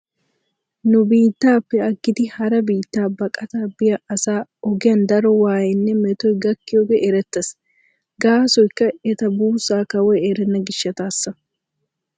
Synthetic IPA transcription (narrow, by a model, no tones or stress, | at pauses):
nʊbiːt̪ːaːpːɛɐɡːɪd̪ɪhɐɾɐbiːt̪ːaːbɐkʼɐt̪aːbɪjɐʔɐsaːɔɡɪjɐnd̪ɐɾɔwaːjɪnːɛmɛt̪ɔjɡɐkːɪjoɡɛʔɛɾɛt̪ːɐs | ɡaːsɔjkːɐɛt̪ɐbuːsaːkɐwɔjeɾɛnːɐɡɪʃːɐt̪aːsːɐ